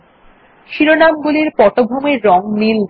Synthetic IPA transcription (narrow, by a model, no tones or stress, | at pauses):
ʃiɾonamɡuliɾpɔʈobʱomeɾːɔŋmil